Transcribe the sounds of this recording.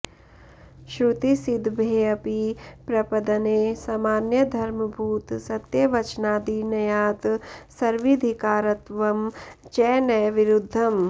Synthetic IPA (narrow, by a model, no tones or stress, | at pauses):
ʃɾut̪isid̪ʱbʱeːɐpipɾɐpɐd̪ɐneːsaːmaːnjɐd̪ʱɐɾmɐbʱuːt̪sɐt̪jɐʋɐt͡ʃnaːd̪inɐjaːt̪sɐɾʋid̪ʱikaːɾɐt̪ʋɐmt͡ʃɛːnɐjʋiɾud̪ʱːɐm